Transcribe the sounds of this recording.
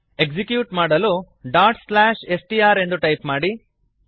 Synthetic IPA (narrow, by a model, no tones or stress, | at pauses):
e̞ɡsikjuːʈmaːɽɐlu | ɖaːʈslaːʃesʈiaːɾe̞nd̪uʈɐjpmaːɽi